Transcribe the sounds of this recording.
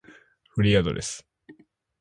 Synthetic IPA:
ɸɯ̟ɾʲiad̪o̞̰d̪esɨ̥

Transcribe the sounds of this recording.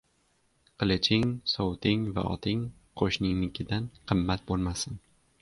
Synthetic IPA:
qʰɨlˠɪt͡ʃʰɪŋsowt̪ɪŋva̰ʔɒ̰t̪ʰɪŋ | qʰoʃnɪŋnɪkʲʰɪd̪anqʰɨmːat̪̚bolˠmasɪn

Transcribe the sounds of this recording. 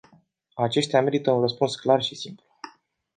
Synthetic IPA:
at͡ʃe̞ʃt̪eame̞ɾit̪əunrəspunsklarʃisimplu

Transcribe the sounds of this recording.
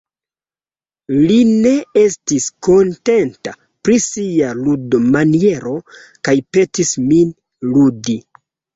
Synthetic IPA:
line̞e̞stisko̞nte̞nta | pɾisialudomanie̞ɾo̞ | kajpe̞tismin | ludi

